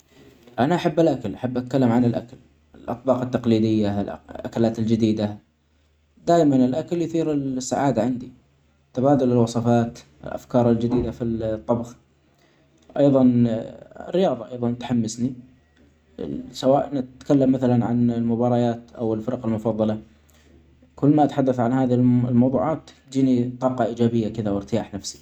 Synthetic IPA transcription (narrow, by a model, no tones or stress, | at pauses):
ʔanaʔaħabːɪlʔakalʔaħabːʔat̪̚kalːamʕanɪlʔa̰kal | ɪlʔɑ̰t̪̚ˤbɑːqɪt̪ːɑqliːd̪ɪjːallʔakalaːt̪ɪld͡ʒɪd̪iːd̪a | d̪aːʔmanɪlʔakaljʊθiːɾɪsːaʕaːd̪aʕand̪i | t̪abaːd̪ʊlɪlwɑsˤɑfɑːt̪ | ɪ̰lʔa̰fkɑːɾˤɪld͡ʒɪd̪iːd̪afit̪ˤːɑbx | ʔɑjðˤɑn | ɪ̰rːɪjɑːðˤɑʔɑjðˤɑnt̪ħamːɪsni | sawaːʔɪnʔat̪kalːamːaθalanʕa̰nɪlmʊbɑːɾˤɑjaːt̪ʔawɪlfɪɾˤɑqɪlmʊfɑðˤːɑlɑ | kʊlːmaʔat̪ħad̪ːaθʕanhaːðilmɑwðˤṵːʕɑːt̪ | d͡ʒiːnit̪ˤɑːqɑʔiːd͡ʒaːbɪjːakɪðawɪɾt̪ɪjaːħnafsi̥